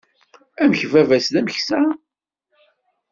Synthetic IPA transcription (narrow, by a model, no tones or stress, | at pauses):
æməçvævæsðæmçsæ